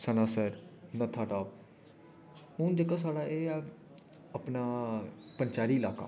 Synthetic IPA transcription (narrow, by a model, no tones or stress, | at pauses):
sənaːsəɾnət̪ʰaːʈaː | mũːnd͡ʒeːkasaːɽaːʔeː | əpnaːpənt͡ʃaːɾiːɪlaːka̰ː